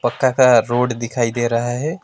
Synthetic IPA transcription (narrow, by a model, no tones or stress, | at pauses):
pəkːakaɾoːɖd̪ɪkʰaːid̪eːɾɐɦaɦɛː